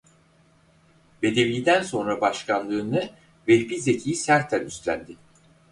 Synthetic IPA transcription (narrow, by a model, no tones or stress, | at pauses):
ve̞d̪e̞viːd̪ænso̞nɾabaʃkʰanlˠɯːnɯ | vɛbize̞cʰijisæɾt̪ʰːænyst̪lʲæ̰nd̪ɪ